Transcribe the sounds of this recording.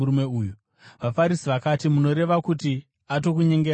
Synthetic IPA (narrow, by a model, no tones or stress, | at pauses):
uɾumeuːju | ʋafaɾisiʋakatimuno̞ɾe̞ʋakuti | ato̞kuɲe̞ŋɡe